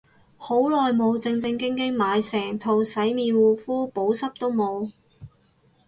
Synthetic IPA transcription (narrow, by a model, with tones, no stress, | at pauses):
ho˨˥wlɔː˨jmo˨˧wt͡sɪ˧ŋt͡sɪ˧ŋkɪ˥ŋkɪ˥ŋmaː˨˧jsɛː˨˩ŋt̪ʰo˨˩wsɐ˨˥jmiː˨˧nwuː˨˧fuː˥po˨˥wsɐ˥p̚t̪o˥wmo˨˧w